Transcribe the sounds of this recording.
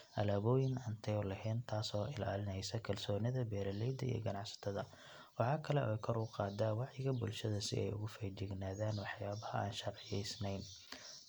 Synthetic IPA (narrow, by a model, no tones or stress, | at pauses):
ʔɐlaːβɔːjɪnɐnt̪ʰɛlɐɦɛːnt̪ʰaːsɔːʔɪla̰ːlɪnɛjsɐkʰɐlsɔːnɪðɐbɛːɾɐlɛjd̪ɐ̰ḭj̰ɡɐnɑʕsɐ̥t̪ʰɐðɐ | wɑħɑːkʰɐlɛʔɔːjkʰɔɾʊqɑːd̪aːwɑʕjɪɣɐbʊ̰lʃɐðɐsɪ̰ʔɛ̰jʊ̰ɣʊfɛjd͡ʒɪɡnaːðaːnwɑħjaːβɐhɐʔa̰ːnʃɐrʕɪjɛjsnɛjn